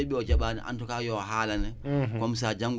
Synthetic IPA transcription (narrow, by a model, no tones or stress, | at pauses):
eɓiɔd͡ʒaɓaːnɛ̰ʔa̰ntɔkajɔɦalanɛkɔms̬ad͡ʒaŋɡ